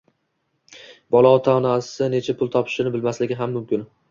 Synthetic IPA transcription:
bɒlˠɒɒt̪ʰanasɪnet͡ʃʰapʰʊlˠt̪ʰɒpʰɪ̥ʃɪnɪbɪlmaslɪɡʲɪɦamːʊmkʲɪn

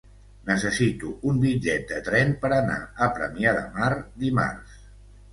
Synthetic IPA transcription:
nəsəsit̪uumbid͡ʒɛt̪̚d̪ət̪ɾɛnpəɾəna̰əpɾə̰miaðə̰maɾd̪ima̰rs

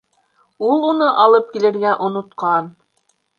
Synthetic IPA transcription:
ulˠunɤʔɑlˠɤp̚kilɘ̆ɾɡæʔŏnŏt̪qɑn

